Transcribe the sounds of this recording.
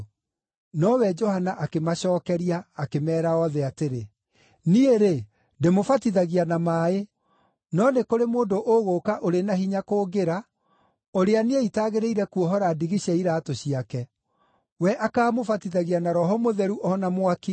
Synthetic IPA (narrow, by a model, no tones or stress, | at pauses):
nɔwɛd͡ʒɔhanaʔakemaɕɔːkɛɾiaːkemɛːɾaɔðɛateɾe | nieɾe | ndemofatiðaɣianamaːe | nɔnekoɾemoːndoʔoɣoːkaʔoɾenahiɲakoːɡeɾa | oɾeaneeitaːɣeɾeiɾɛkuɔɦɔɾadiɣiɕɛiɾaːtoɕiakɛ | wɛʔakaːmofatiðaɣianaɾɔɦɔmoðɛɾuʔɔnamwaki